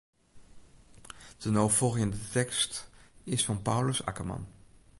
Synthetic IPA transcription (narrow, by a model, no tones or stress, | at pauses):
d̥ənowforəndətɛkstɪsfɑnpawləsa̰kəmɑ̰n